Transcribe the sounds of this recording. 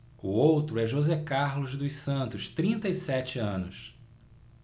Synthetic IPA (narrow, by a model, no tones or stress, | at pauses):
ʊowt̪ɾʊɛʒozɛkaɾlʊzd̪ʊsɐ̃nt̪ʊʃt̪ɾĩnt̪ɐisɛt͡ʃɪɐ̃nʊs